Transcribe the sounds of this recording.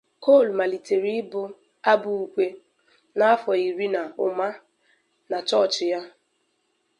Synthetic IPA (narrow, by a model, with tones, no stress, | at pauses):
ko˦˨lma˨li˨te˨ɾi˦bʊ˦ | a˦bʊ˨u˨kʷe˦ | na˦a˦fɔ˨i˨ɾi˦na˨ʊ˨ma˦ | na˨t͡ʃɔ˦˨t͡ʃɪ˨ja˦